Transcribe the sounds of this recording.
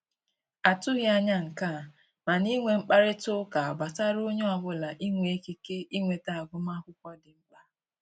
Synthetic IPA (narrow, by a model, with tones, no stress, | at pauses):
a˨tʊ˦ɣja˦ɲa˦ŋ̩˨ka˦˨ | ma˨ni˦ŋʷe˨ŋ͡m̩˦k͡pa˦ɾɪ˦tʊ˦ka˨a˨ɡ͡ba˨ta˦ɾo˦ɲo˦a˨bʊ˦la˨ʔi˦ŋʷe˨e˦ke˦ke˦i˦ŋʷe˨ta˨a˨ɡʊ˦ma˦kʷʊ˦kʷɔ˦dɪ˨ŋ͡m̩˦k͡pa˦